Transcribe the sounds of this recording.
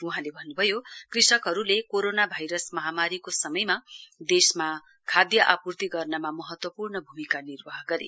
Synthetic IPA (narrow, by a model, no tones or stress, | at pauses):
uɦãlebʱʌnːubʱʌjokrisʌkɦʌɾulekoɾonabʱajɾʌsmʌɦamaɾikosʌmʌjmad̪esma | kʰad̪jʌʔapurt̪iɡʌrnʌmamʌɦʌt̪wʌpurnʌbʱumikanirbʌɦɡʌɾḛ